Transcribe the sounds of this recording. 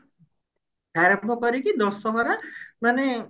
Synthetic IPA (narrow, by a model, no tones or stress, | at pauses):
baɾɛbʱɔkɔɾikid̪ɔsːɔɦɔɾamane